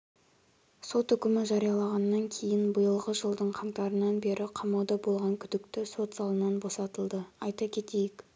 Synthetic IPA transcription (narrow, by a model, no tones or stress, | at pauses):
so̞t̪ʏkʲɪmɪʒɑɾijɑlˠɑʁɑnːɑŋkʲʰe̞jɪnbəjəlˠʁəʒəlˠd̪əɴqʰɑŋt̪ɑɾənɑnbe̞ɾʔɪqʰɑmɑwd̪ɑbo̞lˠʁɑŋkʲʰʏd̪ɪkt̪ɪso̞t̪sɑlˠənɑnbo̞sɑt̪əlˠd̪əɑjt̪ɑkʲʰe̞t̪e̞jɪk